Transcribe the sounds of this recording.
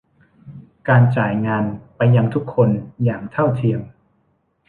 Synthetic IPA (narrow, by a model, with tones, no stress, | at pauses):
kaː˧nt͡ɕaː˨˩jŋaː˧npa˧jːa˧ŋt̪ʰu˦˥kʰːo˧njaː˨˩ŋt̪ʰa˥˩wt̪ʰi˧əm